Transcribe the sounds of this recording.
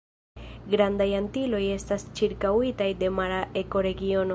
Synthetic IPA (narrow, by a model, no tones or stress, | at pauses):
ɡɾand̪ajant̪ilo̞je̞st̪ast͡ʃiɾkawit̪ajd̪e̞maɾaʔeko̞ɾe̞ɡio̞n